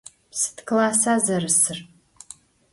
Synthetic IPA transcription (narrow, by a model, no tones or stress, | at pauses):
sɨ̥tkʰlaːsaːzɐrɨsɨr